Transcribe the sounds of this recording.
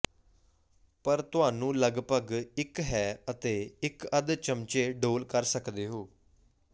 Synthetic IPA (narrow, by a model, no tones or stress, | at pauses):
pəɾt̪ʊaːnũːləɡpəɡɪkɦɛːət̪eːɪkəd̪t͡ʃəmt͡ʃeːɖoːlkəɾsəkd̪eːɦoː